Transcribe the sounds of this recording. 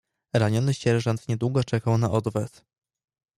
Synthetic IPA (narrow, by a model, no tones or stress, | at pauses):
ɾaɲɔnɘɕɛɾʐant̪ɲɛd̪wuɡɔt͡ʂɛkawnaʔɔd̪vɛs